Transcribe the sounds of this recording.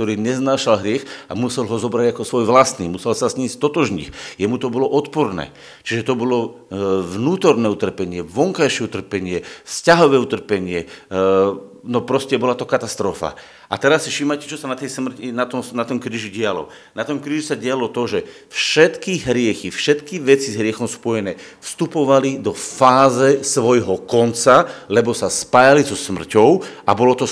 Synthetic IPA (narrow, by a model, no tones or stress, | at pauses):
t̪ɔɾiːɲɛznaːʃalɦɾɪɛxa̰musɛlɦɔzɔbɾaɟakɔsʋɔjʋlasniːmusɛlsazɲiːst̪ɔt̪ɔʒɲḭxjɛmut̪ɔbɔlɔʔɔt̪pɔɾnɛ̰ː | t͡ʃiʒɛt̪ɔbɔlɔ | ʋnuːt̪ɔɾnɛːut̪r̩pɛɲɪɛʋɔŋkajʃɪɛut̪r̩pɛɲɪɛfscaɦɔʋɛːut̪r̩pɛɲɪɛ | nɔpɾɔscɛbɔlat̪ɔkat̪ast̪ɾɔfa̰ | ʔat̪ɛɾasːifʃiːmajcɛ̥t͡ʃɔsanat̪ɛjsmr̩cinat̪ɔmnat̪ɔmkɾiːʒiɟɪalɔ̰ | nat̪ɔmkɾiːʒusaɟɪalɔt̪ɔʒɛ | fʃɛt̪kiɦɾɪɛxifʃɛt̪kiʋɛt͡sizɦɾɪɛxɔmspɔjɛnɛːfst̪upɔʋalid̪ɔfaːzɛsʋɔjɦɔkɔnt͡salɛbɔsaspaːjalizɔsmr̩cɔʊabɔlɔt̪ɔ